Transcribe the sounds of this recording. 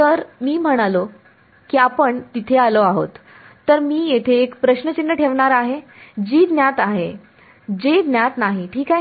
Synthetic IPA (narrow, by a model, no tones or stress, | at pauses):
t̪əɾmiːm̤əɽ̃alo | kiːapəɳt̪it̪ʰealoaɦo̰t̪ː | əɾmiːjet̪ʰeːkpɾəɕnət͡ɕinːəʈʰeʋɳaɾaɦed͡ʑiːd̪njat̪aɦe | d͡ʑed̪njat̪naɦiʈʰiːkaɦe